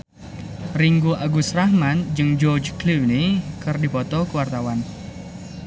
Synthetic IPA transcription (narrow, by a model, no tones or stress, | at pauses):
riŋɡuʔaɡusrahmand͡ʒɨŋd͡ʒɔrd͡ʒɡliwnekɨrdipɔt̪ɔkuwart̪awan